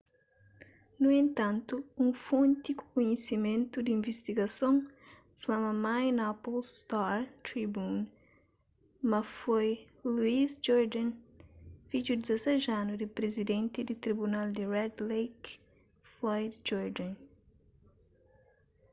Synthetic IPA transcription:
nuẽnt̪ãnt̪uũŋfõnt̪iku̥kuɲesimẽnt̪ud̪ĩɱvist̪iɡɐsõŋ | flamɐmajnapolst̪aɾt̪ɾibun | mɐfoj | luizd͡ʒɔɾd̪ãn | fid͡ʒud̪izɐsɛʒanud̪ipɾezid̪ẽnt̪id̪it̪ɾibunald̪irɛd̪lejk | flɔjd̪d͡ʒɔɾd̪ãn

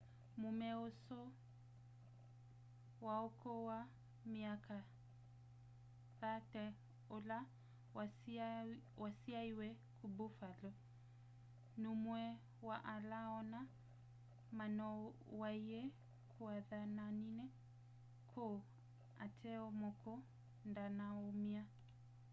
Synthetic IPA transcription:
mumɛɔsɔ | waɔkʰɔwa | miaka | ðatɛ | ɔla | wasiaiwɛ | kʰubufalɔ | numwɛ | waʔalaɔna | manɔwaiɛ | kʰuaðananinɛ | kʰɔ | a̰tʰɛɔmɔkʰɔ | ndanaɔmia

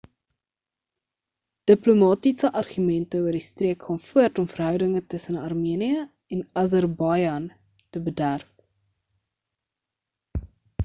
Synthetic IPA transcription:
d̥əplomɑːtisəʔɐrχymɛntəuərdistriəkχɑːnfuərtɔmfərɦœwdəŋətəsənɐrmiəniə | ɛnɐzərbɑjɐn | təbədærp̚

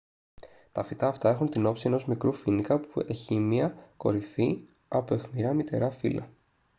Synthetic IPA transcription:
t̪ɐfit̪ɐːft̪ɐe̞xunt̪ino̞psie̞no̞zmikɾufinikɐpueçimiɐko̞̰ɾiθi | ɐpoe̞xmiɾɐmit̪e̞̰ɾɐfḭlʔɐ̰

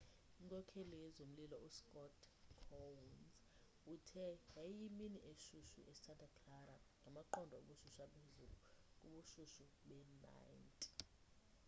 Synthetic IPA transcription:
iŋkʼɔkʰelijɛzom̩lilɔuskʼɔtʰkʰɔwnz | utʰɛjajiminiʔeʃuʃṵʔɛsantʼakʰlaɾaŋʱamaǃɔndʱɔo̰ɓuʃuʃapʰezulukʼuɓuʃuʃuɓɛna̰jntʼi

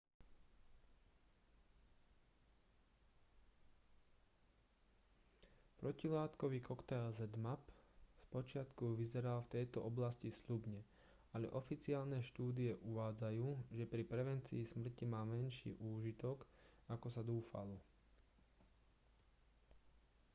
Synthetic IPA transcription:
pɾɔcilaːt̪kɔʋiːkɔkt̪ɛlzɛd̪mapspɔt͡ʃɪat̪kuʋizɛɾalft̪ɛjt̪ɔʔɔblascisʎubɲɛ | aʎɛ̰ʔɔfit͡siaːlnɛʃt̪uːd̪iɛʔuʋaːd͡zajuːʒɛpɾipɾɛʋɛnt͡sḭːsmr̩cimaːmɛnʃḭːʔuːʒit̪ɔkakɔsad̪uːfa̰lɔ

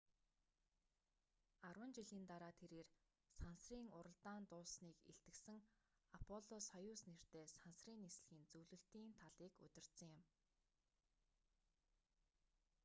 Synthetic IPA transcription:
arwə̆nt͡ɕiɮiːnt̪aɾaːt̪ʰeɾeːr | sansriːŋʊɾə̆ɮt̪aːnt̪ʊːsniːkḛɬt̪ɘ̆ksɘ̆ŋ | apʰɔɮɔsχɔjʊːsner̥t̪eːsansriːnesɮɘ̆xiːnt͡sɵwɮɵ̆ɬt̪iːnt̪ʰaɮiːkɵ̰t̪ʲɪ̆r̥t̪sə̆ŋjɪm

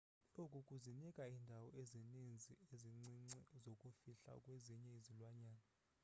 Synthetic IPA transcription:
lokʼukʼuzinikʼaindʱawɔezinind͡zʱieziŋ͡ǀiŋ͡ǀɛzokʼufiɬa̰kʼweziɲɛizilwaɲaːna

